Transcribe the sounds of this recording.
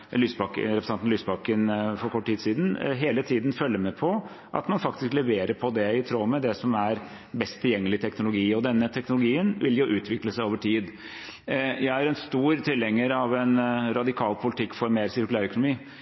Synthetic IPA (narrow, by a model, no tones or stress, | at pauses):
lyːsbɑkɾɛpɾəsɑnt̪n̩lyːsbɑkənfɔɾkʰɔʈːʰiːd̪siːd̪n̩ɦeːlət̪ʰiːd̪n̩fœlːəmɛpʰɔ | ʔɑ̰t̪mɑnfɑkt̪ɪsklɛʋeːɾəɾpʰɔd̪ɛɪt̪ʰɾoːmɛd̪ɛsɔmæɾ | bɛst̪ʰːɪljɛŋːəlɪt̪ʰɛknʊlʊɡiːɔd̪ɛnːət̪ʰɛknʊlʊɡiːənʋɪ̰ljʊʔʉːt̪ʰʋɪkləsæɪoːʋəʈʰiːd̪ | jæɪæɾɛnst̪uːɾt̪ʰɪlɛŋːəɾɑʋɛnɾɑd̪ɪkʰɑːlpʰʊlɪt̪ʰɪkːfɔɾmeːɾsɪɾkʉlæːɾœkʊnʊmiː